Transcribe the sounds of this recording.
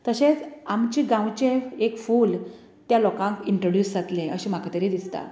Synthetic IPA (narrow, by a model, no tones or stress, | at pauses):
t̪əɕet͡samt͡ɕiɡãwt͡ɕeekfuːl | t̪jalɔkãŋkiɳʈɾoɽjuːsd͡zat̪lẽəɕĩm̤akat̪əɾid̪ist̪a̰